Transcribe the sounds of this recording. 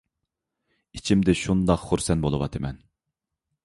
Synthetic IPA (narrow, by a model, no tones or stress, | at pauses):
it͡ʃʰimd̪ɪʃund̪ɑqχuɾsɛnbolˠɨwɑ̰t̪ʰɨmɛn